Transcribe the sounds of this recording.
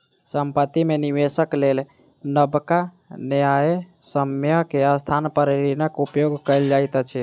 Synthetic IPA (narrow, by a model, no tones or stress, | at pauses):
səmpət̪imeniʋesəklel | nəbka | nəjaesəmjəɦkeəst̪ʰanpəɾeɾinəkupjoɡkəɪld͡ʒajt̪t͡ʃʰɛ